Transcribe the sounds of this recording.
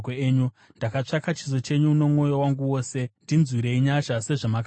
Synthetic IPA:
eeɲu | ndakat͡ʂakat͡ʃizo̞t͡ʃe̞ɲuuno̞mŋo̞jowaŋɡuwo̞ːse̞ndinzwiɾe̞iɲaʃase̞ʐamak

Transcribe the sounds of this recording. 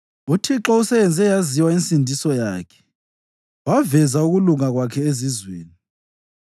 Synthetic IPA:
utʰiǁɔusɛβɛnd͡zʱɛjaziwaint͡sʼindʱisɔja̰ːkʰɛ̥ | wavɛzauɣuluŋaɣwakʰɛezizwḛːni

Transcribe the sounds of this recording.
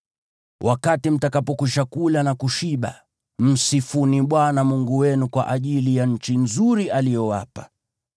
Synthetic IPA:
wʔakatim̩takapɔkuʃakulanakuʃiɓa̰ | m̩sifuniɓwanamuŋɡuwɛnukwa̰ʔaʄilijaɲ̩t͡ʃinzuɾiʔalijɔwa̰pḁ

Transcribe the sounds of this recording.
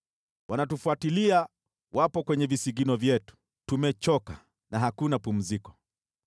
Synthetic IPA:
wʔanatufuatilia | wapɔkwɛɲɛvisiɡinɔvjɛtu̥ | tumɛt͡ʃɔka | naɦakunapum̩zikɔ̥

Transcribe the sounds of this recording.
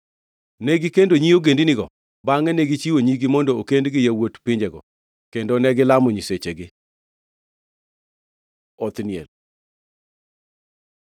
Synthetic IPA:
nɛɡikendoɲioɡendinɪɡɔ̰ | baŋɛnɛɡit͡ʃiwoɲiɡimɔndɔokendɡɪjawotpɪɲd͡ʒɛɡɔ̰ | kendonɛɡɪlamɔɲiset͡ʃeɡɪ | ɔt̪nɪɛl

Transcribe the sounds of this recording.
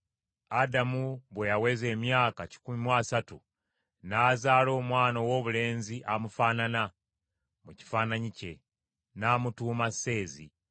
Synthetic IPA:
adamuβwe̞jawe̞ze̞ːmjaːkaci̥kumimwaːsatṵ | naːzaːlo̞ːmwaːnowo̞ːβule̞ːnziʔamufanana | muci̥fanaɲice̞̰ | naːmutuːmase̞ːzḭ

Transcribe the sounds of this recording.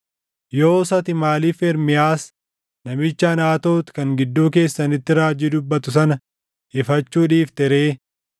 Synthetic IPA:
joːsɐt̪ɪmaːliːfɛɾmɪjaːs | nɐmɪt͡ʃːɐːnaːt̪o̞ːt̪kɐŋɡɪd̪ːuːke̞ːsːɐnɪt̪ːɪɾaːd͡ʒɪːd̪ʊbːɐt̪ʊs̬ɐnɐ | ʔɪfɐt͡ʃːuːᶑiːft̪ɛɾeː

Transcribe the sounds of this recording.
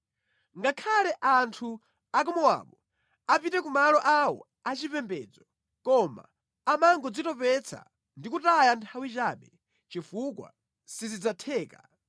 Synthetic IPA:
ŋɡakʰalɛʔantʰu | akɔmɔwa̰ːɓɔ | apitɛk̬umalɔʔawɔ̰ | at͡ʃipɛmbɛːd͡zɔ | kɔma̰ː | maŋɡɔd͡zitɔpɛt͡sʰa̰ | ndikutajantʰawit͡ʃaːɓɛ | t͡ʃifukwa̰ | sizid͡zatʰɛːka

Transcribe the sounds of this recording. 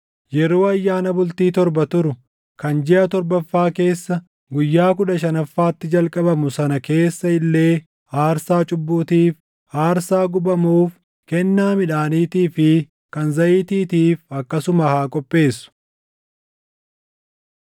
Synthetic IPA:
jɛɾo̞ːɐjːaːnɐbʊlt̪iːt̪ɔɾbɐt̪ʊɾʊ | kɐnd͡ʒɛʔɐt̪ɔɾbɐfːaːke̞ːsːɐ | ɡʊjːaːkʊᶑɐʃɐnɐfːaːt̪ːɪd͡ʒɐlkʼɐbɐmʊsɐnɐke̞ːsːɐɪlːe̞ː | aːɾsaːt͡ʃʼʊbːuːt̪iːf | aːɾsaːɡʊbɐmuːf | kɛnːaːmɪᶑaːniːt̪iːfɪ | kɐnzɐʔiːt̪iːt̪iːfɐkːɐsʊmɐhaːkʼɔpʼːe̞ːsːʊ̥

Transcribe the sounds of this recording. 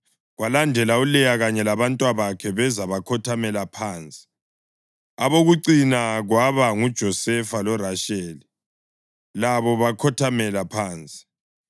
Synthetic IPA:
ɣwalandʱɛlaulɛjaɣaɲɛlaβantʼwaβakʰɛβɛzaβakʰɔtʰamɛlapʰaːnt͡sʼi̥ | aβoɣuǀinaɣwaβaŋud̥ʒ̥ʱɔsɛfalɔraʃɛːli | laβɔβakʰɔtʰamɛlapʰaːnt͡sʼi̥

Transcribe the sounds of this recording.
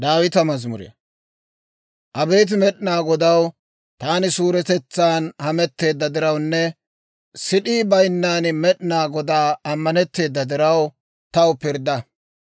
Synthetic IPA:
d̪aːwɪt̪ɐmɐzmʊɾḛ | ʔɐbe̞ːt̪̬ɪmɛɗɪnaːɡɔd̪ɐw | t̪aːnɪsuːɾɛt̪ɛt͡sːaːnhɐmɛt̪ːe̞ːd̪ːɐd̪ɪɾɐwnːɛ | sɪɗiːbɐjnːaːnmɛɗɪnaːɡɔd̪aːɐmːɐnɛt̪ːe̞ːd̪ːɐd̪ɪɾɐw | t̪ɐwpɪɾd̪ɐ

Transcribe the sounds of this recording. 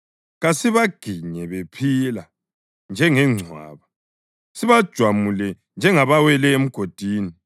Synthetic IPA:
ɣasiβaɡ̥ʱiɲɛβepʰila | nd͡ʒʱɛŋɛŋ͡ǀʱwa̰ːβa | siβad̥ʒ̥ʱwamulɛ | nd͡ʒʱɛŋaβawɛlɛem̩ɡ̥ʱod̥ʱiːni

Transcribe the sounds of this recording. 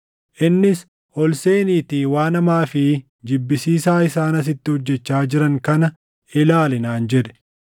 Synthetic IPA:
ʔɪnːɪs | ʔɔlse̞ːniːt̪iːwaːnɐmaːfɪ | d͡ʒɪbːɪsiːsaːɪsaːnɐs̬ɪt̪ːɪhɔd͡ʒːɛt͡ʃːaːd͡ʒɪɾɐŋkɐnɐ | ɪlaːlɪnaːnd͡ʒɛᶑ̪ɛ̥

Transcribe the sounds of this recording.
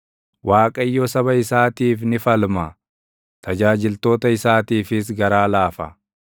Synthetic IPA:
wʔaːkʼɐjːɔsɐβɐɪsaːt̪iːfnɪfɐlmɐ | t̪ʰɐd͡ʒaːd͡ʒɪlt̪o̞ːt̪ɐɪsaːt̪iːfɪs̬ɡɐɾaːlaːfɐ̰

